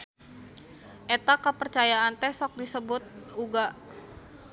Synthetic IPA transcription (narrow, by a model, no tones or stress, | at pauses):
ʔet̪akəpərt͡ʃajaant̪ɛsɔk̚disəbʊt̪̚uɡa